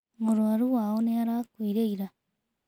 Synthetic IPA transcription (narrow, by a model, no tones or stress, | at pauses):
moɾuaɾuwaːoneaɾaːkuiɾeiɾa